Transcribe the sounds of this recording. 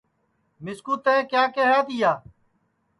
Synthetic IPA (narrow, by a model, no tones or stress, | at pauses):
mɪskuːt̪eẽːkjaːkeɦaːt̪ɪjaː